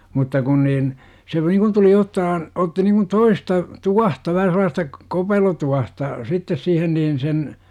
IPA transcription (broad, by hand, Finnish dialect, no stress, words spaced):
mutːɑ kun niːn se nikun tuli otːɑhɑn otːi niŋkun toistɑ tuɑhtɑ ʋæhæ selˑɑːstɑ kopelotuɑhtɑ sitːes siːhen niːn sen